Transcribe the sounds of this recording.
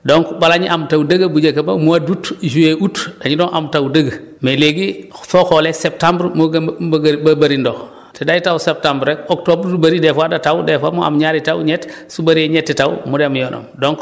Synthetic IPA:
doŋkbalaɲiʔamtawdɐɡɐbud͡ʒekɐbɐmuadutʒueʔutdaɲidoŋʔamtawdəɡə | meleɡifoxolesep̚tãmbɾmɡbabɐɾindo | tedajitawsep̚tãmbɾɛkɔk̚tobɾdubɐɾidɛfadatawudɛfa̰mua̰mɲaːɾitawɲɛtsubaɾeɲɛtːitaw̰mudemjɔno̰mdoŋk

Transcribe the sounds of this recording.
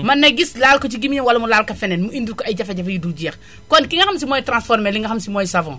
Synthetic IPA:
mɐnɐɡislaːlkɔt͡ʃiɡimɲiwalɐmulaːlkɐfɛnɛnmuindukɔɐjɟɐfɐɟɐfɐjiduɟɛx | kɔnkiŋɐxɐmsimɔːjtɾãnsfɔɾmɛliŋɡɐxɐmsimɔːjsɐvɔ̰̃ŋ

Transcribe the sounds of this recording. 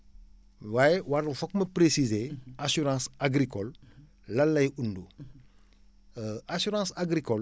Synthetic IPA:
wajewaɾfɔk̚mɐpɾesizeasyɾãsaɡɾikɔlː | ɐlːɐjundu | ʔasyɾãsaɡɾikɔl

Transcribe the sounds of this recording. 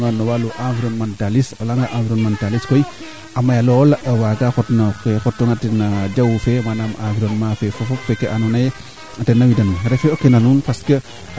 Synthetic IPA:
ŋanowaluʔãviɾonmantalisolaŋɡaʔãfiɾonmantaliskoj | amajalolawaɡaxotnokexotːoŋatinad͡ʒawfemanamãviɾonmafefofopfekeʔanunaje | atenawidɐnɾefeokenanunpaskə

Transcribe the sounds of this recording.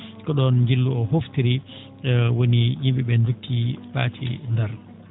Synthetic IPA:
kɔɗɔnɲd͡ʒilːuɔhoftiɾi | wonijimɓiɓɛndutʰːipa̰ːtʰḭndɛɾ

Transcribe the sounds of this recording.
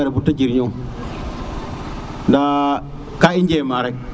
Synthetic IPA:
aɾabutːad͡ʒiɾɲo | nda | kaiɲd͡ʒemaɾa

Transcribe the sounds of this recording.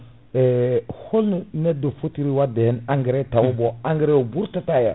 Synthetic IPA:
ɛholnunɛdofutiɾiwadehɛnaŋɡiɾɛtawuboaŋɡiɾeobuɾtataja̰

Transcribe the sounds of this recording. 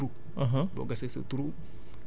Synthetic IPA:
ɾu | ãɦãbɔ̰ɡasesə̰t̪uɾu

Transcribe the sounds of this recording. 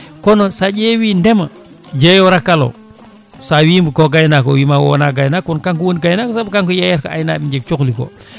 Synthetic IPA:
konosaɟewindema | d͡ʒejoɾakːalo̰ | sawimbukoɡajnakowimawo̰na̰ːɡajnakunkaŋkuwonɡajnakosabkaŋkojajaɾka̰a̰jnaːbid͡ʒek̚t͡ʃukliko̰

